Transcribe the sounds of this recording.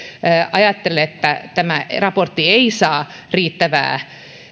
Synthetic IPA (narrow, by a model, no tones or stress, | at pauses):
ɑjɑt̪ːeleet̪ːæt̪æmærɑport̪ːieisɑː | riːt̪ːæʋæ̰ː